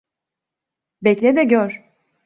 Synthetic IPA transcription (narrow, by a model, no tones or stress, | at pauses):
bɛclʲɛd̪ɛɟøɾ̥